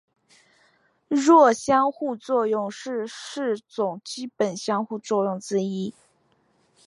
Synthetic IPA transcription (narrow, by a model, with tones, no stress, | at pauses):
ɻwɔ˥˩ɕjɑ˥ŋxu˥˧t͡swɔ˥˧jʊ˥˧ŋʂɻ̩˥˧ʂɻ̩˥˩t͡sʊ˨˩ŋt͡ɕi˥pə˨˩nɕjɑ˥ŋxu˥˧t͡swɔ˥˧jʊ˥˩ŋt͡sɻ̩˥i˥